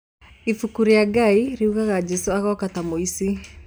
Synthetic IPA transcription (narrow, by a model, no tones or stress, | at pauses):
ifukuɾiaɡaiɾiuɣaɣad͡ʒɛsuaɣɔkatamoisi